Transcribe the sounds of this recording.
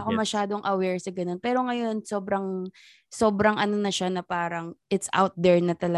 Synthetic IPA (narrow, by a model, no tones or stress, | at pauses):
ɐkomɐʃaːd̪o̞ŋʔɐwɛɹsɐɡɐno̞npɛːɾo̞ŋɐjo̞nso̞ːbɾɐŋ | so̞ːbɾɐŋʔɐno̞nɐʃanɐpaːɾɐŋʔɪt̪sʔa̰wt̪̚d̪ɛɹnɐt̪ɐlɐ